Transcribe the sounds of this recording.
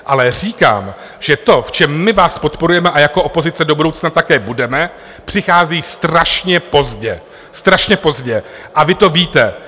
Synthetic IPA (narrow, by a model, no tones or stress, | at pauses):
ʔalɛr̝iːka̰ːm | ʒ̥ɛt̪o̞ft͡ʃɛmːɪvaːspot̪po̞ɾujɛmɛʔajako̞ʔopo̞zɪt͡sɛdo̞budowt͡snat̪akɛːbudɛmɛ | pr̝̥ɪxaːziːst̪ɾaʃɲɛpo̞zɟɛ | st̪ɾaʃɲɛpo̞zɟɛʔavɪt̪o̞viːt̪ɛ